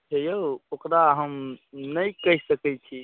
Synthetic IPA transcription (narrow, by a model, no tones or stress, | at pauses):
t͡ʃʰɛjookɾaɦəmnəjkəɦisəkɛt͡ʃʰi